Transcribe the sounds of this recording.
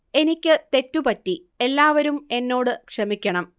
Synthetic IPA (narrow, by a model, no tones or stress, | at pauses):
e̞nikʲːɨt̪e̞tːupɐtːi | e̞lːaːʋɐɾume̞nːo̞ːɽɨkʂɐmikʲːɐɳɐm